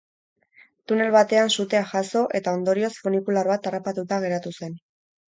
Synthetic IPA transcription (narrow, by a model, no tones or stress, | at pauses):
t̪une̞lβat̪e̞ansut̪e̞aʝaso̞ʔe̞t̪ao̞nd̪o̞ɾio̞sfonikulaɾβat̪arapat̪ut̪aɣ̞e̞ɾat̪use̞n